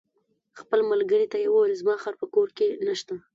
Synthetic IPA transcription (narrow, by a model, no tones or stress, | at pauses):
xpəlmalɡəɾit̪ajewəwalzmɑxaɾpəkoɾkenaʃt̪a